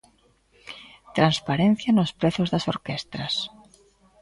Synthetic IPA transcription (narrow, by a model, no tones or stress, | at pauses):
t̪ɾanspaɾen̟θjanospɾeθozðasoɾkest̪ɾas